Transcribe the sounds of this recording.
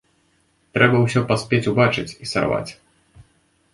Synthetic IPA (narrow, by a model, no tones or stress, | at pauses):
t̪ɾɛbɐwsʲɔpasʲpʲet͡sʲubat͡ʂɨt͡sʲisa̰rva̰t͡sʲ